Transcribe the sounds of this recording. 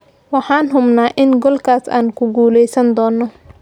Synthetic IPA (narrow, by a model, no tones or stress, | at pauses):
wɑħɑːnɦʊmnaːʔɪnɡɔlkʰaːsa̰ːnkʰʊɡuːlɛjsɐnd̪ɔːnːɔ